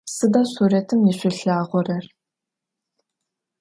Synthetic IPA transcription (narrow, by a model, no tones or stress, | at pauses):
sɨdasuːɾetʰɨmiɕʷɪɬaːʁʷɔrɐr